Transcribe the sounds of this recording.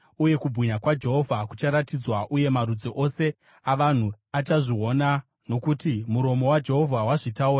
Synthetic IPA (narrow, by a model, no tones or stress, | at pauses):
uje̞kubʱiɲakwad͡ʒe̞ɦo̞vʱakut͡ʃaɾatid͡zwaʔuje̞maɾud͡zoʔo̞se̞ | aʋan̤u | at͡ʃaʐio̞na | no̞kutimuɾo̞mo̞wad͡ʒe̞ɦo̞vʱawaʐitauːra